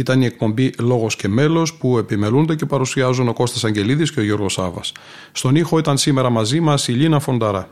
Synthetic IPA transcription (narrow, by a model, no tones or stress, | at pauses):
it̪ɐnie̞k̚po̞mbilo̞ɣo̞sce̞me̞lo̞spue̞pime̞lund̪ece̞pɐɾusiɐzuno̞ko̞st̪esɐɲɟe̞liðisceo̞ʝo̞ɾɣo̞sɐvɐ̰s | st̪o̞nixo̞it̪ɐnsime̞ɾɐmɐzimɐsiʎinɐfo̞nd̪ɐɾɐ